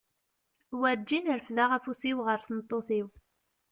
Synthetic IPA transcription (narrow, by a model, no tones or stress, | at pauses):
wæɾd͡ʒːinəɾəfðaʁæfusiwʁəɾθənt̪ˤːoθiw